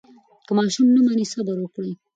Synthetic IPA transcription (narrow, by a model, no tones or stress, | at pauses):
kəmɑʃumnəmanisabaɾwəkɽəj